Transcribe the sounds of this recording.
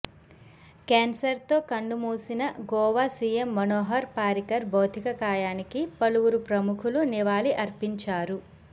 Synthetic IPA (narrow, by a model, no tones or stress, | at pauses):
keːnsɐɾt̪o̞ːkɐɳɖumuːsinɐɡɔːʋaːsiːjemːɐnoːɦɐɾpaːɾikɐɾbɐːt̪ʰikɐkaːjaːnikipɐluwuɾupɾɐmukʰuluniʋaːliʔɐɾpiɲt͡ʃaːɾu